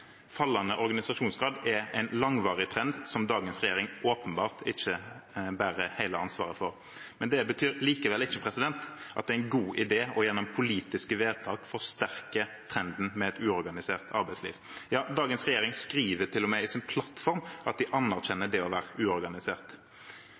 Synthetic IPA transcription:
fɑlːɑnəʔɔɾɡɑnɪsɑʂuːnsɡɾɑːd̪ɛæɪnlɑŋʋɑːʁɪt̪ʰɾɛnd̪sɔmd̪ɑːɡənsʁɛjeːɾɪŋoːpənbɑ̰ːʁt̪ɪçəbæːɾəhæɪləɑnsʋɑ̰ːʁəfɔʁ | mɛnd̪ɛbət̪ʰyːɾliːkəʋɛlɪçːəpʰɾɛsɪd̪ɛnt̪ʔɑt̪̚d̪ɛææɪnɡuːʔɪd̪eːɔjɛnːʊmpʰʊliːt̪ɪskəʋeːd̪̚t̪ʰɑːkfɔʁɔst̪æʁkət̪ʰɾɛnd̪n̩mɛɛt̪ʉːɔɾɡɑnɪseːʁt̪ʰɑɾbæɪt̪slḭːʋ | jɑːd̪ɑːɡənsʁɛjeːɾɪŋskɾiːʋət̪ʰɪlːʊmɛɪsɪnpʰlɑt̪fɔɾmʔɑt̪̚d̪ɪʔɑnːæʁɕɛnːəd̪ɛɔʋæːɾəʔʉːɔɾɡɑnɪseːʁt̪

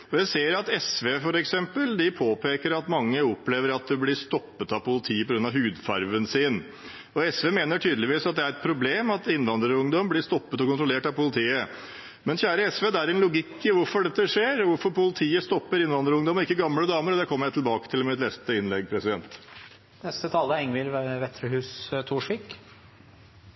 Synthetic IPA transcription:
ɔjæɪseːɾɑt̪ɛsʋeːfɔɾɛksɛmpəld̪ɪpʰoːpʰeːkəɾɑt̪mɑŋːəɔpːleːʋəɾɑt̪̚d̪ɛblɪst̪ɔpːət̪ɑʋpʊlɪt̪ʰiːəpʰɔɡɾʉnɑɦʉːd̪fɑ̰ɾʋənsiːn | ɔɛsʋeːmeːnəʈʰyːd̪əlɪʋiːsɑt̪̚d̪ɛæɾɛt̪̚pʰɾʊbleːmɑt̪ɪnːʋɑnd̪ɾəɾʊŋd̪ɔmblɪst̪ɔpːət̪ɔkʊnt̪ɾʊleːʈɑʋpʊlɪt̪ʰiːə | mɛnçæːɾəɛsʋeːd̪ɛæɾɛnlʊɡɪkːɪʋʊɾfɔɖɛt̪ːəʂeːɾʋʊɾfɔɾpʊlɪt̪ʰiːəst̪ɔpːəɾɪnʋɑnd̪ɾəʊŋd̪ɔmɔɪkːəɡɑmləd̪ɑːməɾɔd̪ɛkʰɔmːəɾjæɪt̪ɪlbɑːkət̪ʰɪlmɛmɪt̪lɛst̪əɪnlɛɡ̚pʰɾɛsɪd̪ɛnt̪ | nɛst̪ət̪ʰɑːləɛŋʋɪlʋɛt̪ɾəhʉːst̪ʰuːʂʋiːk

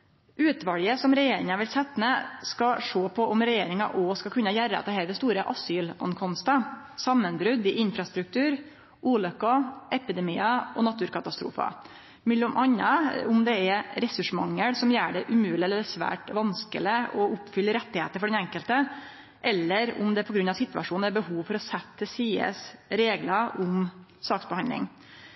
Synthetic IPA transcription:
ʔʉːt̪ʋɑljəsɔmɾɛjeːɾɪŋɑʋɪlsɛt̪ːnɛskɑʂoːpʰɔʔɔmɾɛjeːɾɪŋɑ̰ʔɔskɑkʰʉnːɑjæɾəɑ̰t̪ɑheːɾəd̪ɛst̪uːɾəʔɑsyːlɔ̰nkʰɔmst̪ə | sɑmːənbɾʉd̪ɪʔɪnfɾɑst̪ɾʉk̚t̪ʰʉːɾ | ʔuːlœkːɑʔɛpɪd̪ɛmiːɑʔɔnɑt̪ʰʉːɾkʰɑt̪ɑst̪ɾṵːfɑ̰ | mɛlːʊmʔɑnːɑʊmd̪ɛɛɾɾɛsʉʂmɑŋːəɽsɔmjæːɖɛʔʉmʉːlɪɛlːəɾsʋæ̰ːʈʋɑnskə̰lɪɔʊpfʏlːəɾɛt̪ːɪheːt̪əɾfɔɖɛnɛŋkəlt̪ə | ʔɛlːəɾʊ̰md̪ɛpʰɔɡɾʉnɑʋsɪt̪ːʋɑ̰ʂuːn̩æɾbəhuːʋfɔɾɔsɛt̪ʰːəsiːə̰sɾeːɡlɑʔʊmsɑːksbɛhɑnlɪ̰ŋ

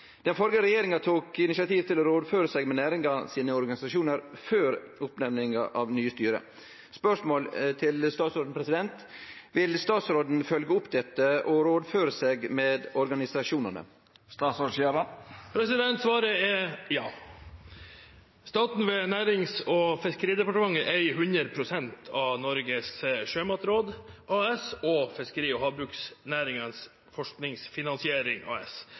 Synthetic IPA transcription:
d̪̥ɛnfɔlɡəɾɛjeːɾɪŋɑt̪ʰuːkɪnɪsɪɑt̪iːʋt̪ʰɪlɔɾoːd̪føːɾəsɛɡmɛnæːɾɪŋɑsiːnəɔɾɡɑnɪsɑʂuːnəɾføːɾʊpnɛmnɪŋɑʔɑʋnyːəst̪yːɾə̰ | spœʂmoːlt̪ʰɪlst̪ɑːt̪sɾoːd̪n̩pʰɾɛsɪd̪ɛnt̪ʋɪlst̪ɑːt̪sɾoːd̪n̩fœlɡəʊpd̪ɛt̪ːəɔɾoːd̪føːɾəseːɡmeːd̪ɔɾɡɑnɪsɑʂuːnənə̰ | st̪ɑːt̪sɔʂjeɾəpʰɾɛsɪd̪ɛnt̪sʋɑːɾəɛjɑː | st̪ɑːt̪n̩ʋɛnæːɾɪŋsɔfɪskəɾiːd̪ɛpɑʈəmɑŋːəʔæɪɦʉnɾəɾpʰɾʊsɛnt̪ʰɑʋnɔɾɡəsʂøːmɑt̪ɾoːd̪ʔɑːɛsɔfɪskəɾiːɔɦɑːbɾʉːksnæːɾɪŋəns | fɔʂknɪŋsfɪnɑnsɪeːɾɪŋɑ̰ːɛ̰s

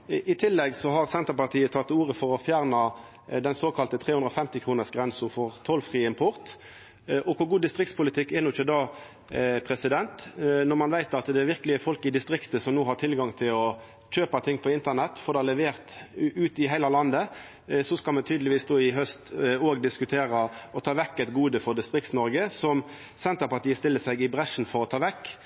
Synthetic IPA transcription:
ʔɪt̪ʰɪlːɛɡsɔɦɑʁsɛnt̪əʁpɑʁt̪ʰiːət̪ʰɑt̪ːuːʁəfɔʁɔfjæːʁnɑ | d̪ɛnsoːkʰɑlt̪ət̪ʰʁeːʉnd̪ɾɔfɛmt̪ɪkʰʁuːnəsɡʁɛnsʊfɔʁt̪ʰɔlfʁiːɪmpʰʊʁt̪ | ʔɔkʰʊɾɡuːd̪ɪst̪ʁɪk̚t̪spʊlɪt̪ʰɪkːɛnʊɪçəd̪ɑː | pʰɾɛsɪd̪ɛnt̪nɔʁmɑnʋæɪt̪ɑt̪d̪ɛæɾʋɪʁkəlɪəfɔlkɪd̪ɪst̪ʁɪkt̪əsɔmnuːɦɑʁʈ̪ʰɪlɡɑŋt̪ʰɪlɔ | c͡çøːpɑt̪ʰɪŋːpʰɔɪnt̪ənɛt̪ːfɔɾd̪ɛælɛʋeːʁt̪ʉːt̪ɪɦæɪlɑlɑnd̪ə | sɔskɑlmɛnt̪ʰyːd̪lɪʋiːsd̪oːɪɦœst̪oːɡd̪ɪskʉt̪ʰeːɾəɔt̪ʰɑːʋɛkːɛt̪ɡuːd̪əfɔɾd̪ɪst̪ʁɪk̚t̪snɔɾɡəsɔm | sɛnt̪əɾpɑʁʈ̪iːəst̪ɪlːəsæɪɡɪbʁɛʂn̩fɔɾɔt̪ʰɑːʋɛkː

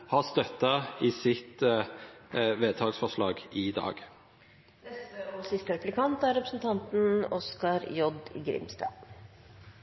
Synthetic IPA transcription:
hɑst̪œt̪ːɑɪsɪt̪ | ʋeːt̪ʰɑːɡsfɔʂlɑːɡɪd̪ɑ̰ːɡ̥ | d̪ɛsəɔsɪst̪əɾɛplɪkʰɑnt̪æɾɾɛpɾəsnt̪ʰɑnt̪n̩ɔskɑɾjɔd̪̰ɡɾɪ̰mst̪ɑ̰

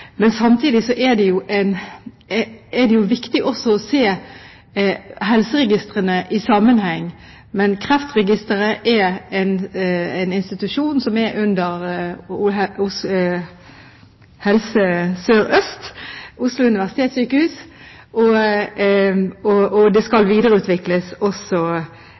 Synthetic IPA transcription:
mɛnsɑmt̪ʰiːd̪ɪsɔʔɛd̪ɛjʊʔɛɪn | ɛd̪ɛjʊʋɪkt̪ɪʔɔsːɔɔseː | ɦɛlsəɾɛɡɪst̪ʁənəʔɪsɑmənhɛŋː | mɛnkʰʁɛft̪ʁɛɡɪst̪əɾəʔɛɛɪnɛɪnɪnst̪ɪt̪ʉʂuːnsɔmɛɾʉnd̪əɾ | ʊs | hɛlsəsøːɾœst̪ʊslʊʉnɪʋæʁsɪ̥t̪ʰeːt̪syːkəhʉːs | ʔɔ | ɔɔd̪ɛskɑlʋiːd̪əʁəʉːt̪ʰʋɪkləsɔsɔ

